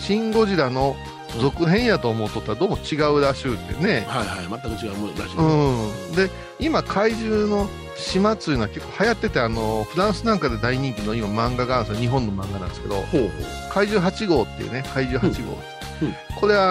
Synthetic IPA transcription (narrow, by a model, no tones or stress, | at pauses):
ɕĩŋɡo̞ʑiɾano̞ | zo̞kɯ̟ɦẽ̞ɰ̃jat̪o̞ːmo̞t̪ːot̪ːaɾad̪o̞ːmo̞t͡ɕiɡaɯ̟ɾaɕɨːt̪ːḛne̞hajaat̪ːakɯt͡ɕiɡaɾaɕɯ̃d̪e̞ | imakʰaiʑɨːno̞ | ɕimat̪ːɨjɯnoake̞kːohajat̪ːe̞t̪e̞ano̞ɸɯ̟ɾãɰ̃sɨnãŋkad̪e̞d̪aiɲ̟ĩŋkʲino̞imamãŋɡaɡansooɲiɦõ̞nːo̞mãŋɡanã̰neske̞d̪o̞̰h | kaiʑɨːɦat͡ɕiɡo̞ːt̪ːḛiɯ̰nekaiʑɨːhat͡ɕiɡo̰ːt̪ | ko̞ɾe̞βa